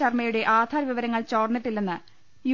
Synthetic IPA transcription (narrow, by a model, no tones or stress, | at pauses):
ɐrmɐjuɽe̞ʔaːd̪ʱaːɾɐʋiʋɐɾɐŋːɐɭt͡ɕo̞ːrniʈːilːenːɨ | ju